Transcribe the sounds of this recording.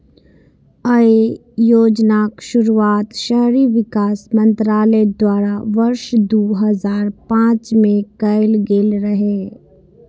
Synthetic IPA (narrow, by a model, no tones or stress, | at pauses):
ɐe | joːd͡ʒnaːkʃʊɾuaːt̪ʃəɦɾiʋɪkaːsmɐ̃nt̪ɾaːlɛd̪waːɾaʋɐɾʃd̪oːɦəzaːɾpãːt͡ʃmẽkɐɪlɡeːlɾɐɦeː